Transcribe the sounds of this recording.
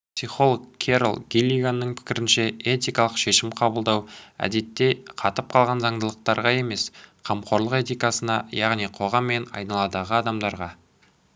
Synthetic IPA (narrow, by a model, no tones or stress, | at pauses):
psijχo̞lˠokkʲʰe̞ɾəlˠɡʲilʲiɡanːəɴpʰɪ̥kʲɪɾɪnʃe̞et̪ʲijkɑlˠəqʃe̞ʃɪmqʰɑbəlˠd̪ɑwæ̰d̪e̞t̪ːe̞qʰɑt̪əp̚qʰɑlˠʁɑnzɑɴd̪əlˠəq̚t̪ɑɾʁɑe̞me̞sqʰɑmqʰo̞ɾlˠəqet̪ijkasənɑjɑʁnijqʰo̞ʁɑmːe̞nɑ̰jnɑlˠɑd̪ɑʁəɑd̪ɑmd̪ɑɾʁɑ